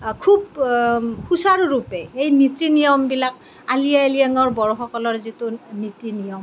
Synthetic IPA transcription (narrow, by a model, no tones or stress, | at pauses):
kʰub̚ | xusaɹɹupɛejnitinijɔmbilak | alijaelijaŋɔɹbɔɹɔxɔkɔlɔɹzitunitinijɔm